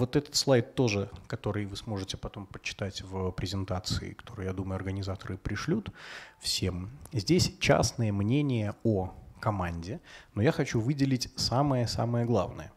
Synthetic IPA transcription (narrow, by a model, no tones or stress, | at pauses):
vo̞t̪ɛt̪ə̥t̪slˠajt̪ːo̞ʐɨkɐt̪o̞ɾɨjvɨsmo̞ʐɨtʲɪpɐt̪o̞mpət͡ɕːɪ̥t̪atʲvəpɾʲɪzʲɪnt̪at̪sɨɪ̰kɐ̥t̪ʰo̞ɾɨjad̪uməjʊɐrɡənʲɪzat̪əɾɨpɾʲɪʂlʲut̪fsʲe̞mzʲdʲesʲt͡ɕa̰snɨjəmnʲenʲɪjəokɐmanʲdʲɪno̞jaxɐt͡ɕuvɨdʲɪlʲɪtʲsaməjəsa̰məjəɡlˠa̰vnə̰jə̰